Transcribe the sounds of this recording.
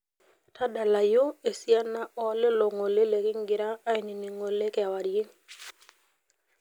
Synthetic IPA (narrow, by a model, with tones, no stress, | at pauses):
ta˦da˨la˨jo˦e˨si˦a˦na˦ɔ˨˦le˦lo˨ŋo˨le˦le˨kɪ˦ŋɡɪ˨ɾaː˦e˨ni˨ni˨ŋo˨le˦kɛ˨a˨wa˨de˦